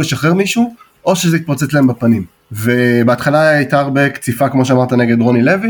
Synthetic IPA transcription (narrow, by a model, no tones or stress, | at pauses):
leʃaχeʁmiʃu | ʔo̞ʃezeit̪̚pat͡set͡slaembapanim | vebeat̪χalait̪aʁbekt͡sifakmo̞ʃ̬eamaʁt̪ane̞ɡe̞dʁo̞nilevi